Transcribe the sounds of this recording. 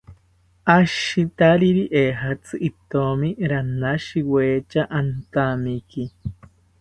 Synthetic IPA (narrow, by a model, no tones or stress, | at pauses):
ʔaʃit̪aɾiɾiʔeɦat͡sɨʔit̪omiɾanaʃiweːt͡ʃaʔant̪amiki